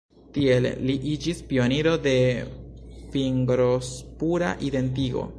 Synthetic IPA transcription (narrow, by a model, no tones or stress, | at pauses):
tie̞l̰ːiʔid͡ʒispio̞niɾo̞de̞ | fiŋɡɾo̞spuɾa̰ʔide̞nt̬iɡo̞̰